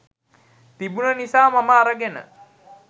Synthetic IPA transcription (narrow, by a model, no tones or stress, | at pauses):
t̪ibunənisaːmaməaɾəɡenə̰